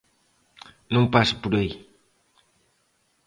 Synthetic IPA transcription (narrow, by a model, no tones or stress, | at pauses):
nũŋpasu̥puɾej